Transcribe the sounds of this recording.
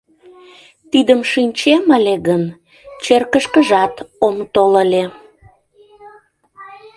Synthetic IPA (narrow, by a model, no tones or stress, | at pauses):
t̪id̪əmʃinʲt͡ɕeməleɣən | t͡ɕerkəʃkəʒɑt̪omt̪oləle